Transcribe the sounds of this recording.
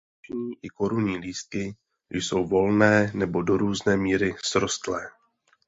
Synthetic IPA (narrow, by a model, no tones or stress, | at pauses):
t͡ʃɲiːʔɪko̞ɾuɲiːliːst̪̚kɪ | jso̞wvo̞lnɛːnɛbo̞do̞ɾuːznɛːmiːɾɪsɾo̞st̪lɛː